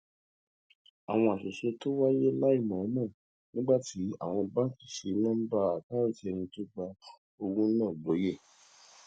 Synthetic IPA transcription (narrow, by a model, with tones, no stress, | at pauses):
a˨w̃ɔ̃˧a˨ʃe˨ʃe˧to˦wa˦je˦la˦i˦˨mɔ̃˨˦mɔ̃˦˨ | nĩ˦ɡ͡ba˦˨ti˨˦a̰˦˨w̃ɔ̃˧ba˦fi˨ʃe˧nã˦m̩˦ba˦a˨tã˦ɾĩ˦ti˧˦ɛ˧nĩ˧to˦ɡ͡ba˧ | o˧ɡũ˦nãː˦˨lo˨˦je˦˨